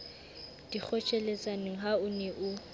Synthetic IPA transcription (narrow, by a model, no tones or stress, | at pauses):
d̥ik͡xʰɔt͡ʃʰʼɛlet͡sʼanɪŋ̩ɦaʊnɛʔʊ